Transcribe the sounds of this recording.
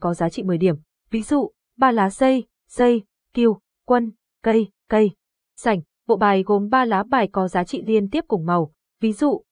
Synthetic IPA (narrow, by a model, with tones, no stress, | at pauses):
kɔ˨˦zaː˨˦t͡ɕḭ˧˨mɨ˨˩əjɗi˧˩əm | vi˨˦zṵ˧˨ | ɓaː˧laː˨˦zə˧j | zə˧j | ki˧əw | kwə˧n | kə˧j | kə˧j | sa˧˩jŋ̟ | ɓo̰˧˨ɓaː˨˩jɣo˨˩mɓaː˧laː˨˦ɓaː˧˩jkɔ˨˦zaː˨˦t͡ɕḭ˧˨li˧ənt̪i˦˥əp̚kʊ˨˩ŋ͡mma˨˩w | vi˨˦zṵ˧˨